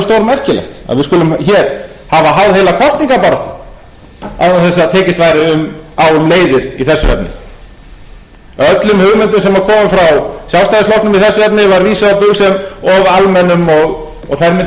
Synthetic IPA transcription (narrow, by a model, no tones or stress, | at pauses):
st̪owɾmɛr̥cɪlɛ̰xt̪a̰ðvɪðskʏlʏmçɛɾ̥ | havaɦawðhejlakʰɔst̪iŋkapaɾɔt̪a | a̰ðnaθɛs̬ːat̪ʰɛːcɪst̪vaːjɾɪʏmawʏmleːjðɪɾiθɛsːʏɛ̰pnɪ̰ | œt̪lʏmhʏɣmɪnt̪ʏmsɛmvaɾkʰɔːmɪmfɾawsjawst̪ajðɪslowk̪tnʏmiðθɛsːʏvɛpnɪvaɾviːsaðapʏɣsɛmɔɣalmɛnːʏmɔɣ | ɔɣθajɾmɪn